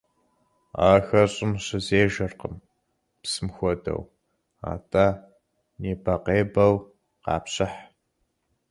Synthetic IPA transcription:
a̰ːxɐrɕʼɪmɕɪzeːʒɐrqəm | psɨmxʷɔdɐ̰w | a̰ːtʼa | neːbɐqeːbɐw | qɑ̰ːpɕʼɪħ

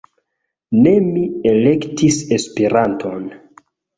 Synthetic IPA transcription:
ne̞miele̞ktise̞speɾantʰo̞n

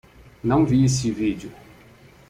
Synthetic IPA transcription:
nɐ̃w̃viesɪvid͡ʒjʊ

